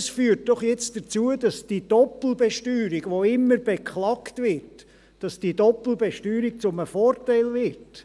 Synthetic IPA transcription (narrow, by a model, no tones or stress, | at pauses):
sfyːɾt̚d̥ɔχjɛt͡sd̥ət͡suəd̥ɑsd̥id̥ɔpl̩bɛʃtyːɾiɡ̥ʋoɪmːəɾb̥ekχlɑktvɪɾt | d̥ɑsd̥idɔpl̩bɛʃtyːɾik̚t͡sʊməfoːɾtaɪlvɪt